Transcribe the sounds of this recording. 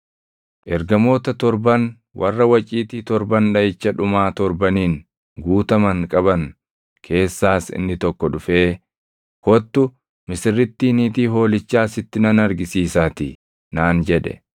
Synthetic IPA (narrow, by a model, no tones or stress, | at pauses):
ʔɛɾɡɐmo̞ːt̪ɐt̪ɔɾbɐn | wʔɐrːɐwɐt͡ʃʼiːt̪iːt̪ɔɾbɐnᶑɐjɪt͡ʃːɐᶑʊmaːt̪ɔɾbɐniːn | ɡuːt̪ɐmɐŋkʼɐbɐn | kʰe̞ːsːaːsɪ̰nːɪt̪ɔkːɔᶑʊfe̞ː | hɔt̪ːʊ | mɪsɪrːɪt̪ːiːniːt̪iːɦo̞ːlɪt͡ʃːaːsɪt̪ːɪnɐnɐɾɡɪsiːsaːt̪ɪ | naːnd͡ʒɛᶑɛ̰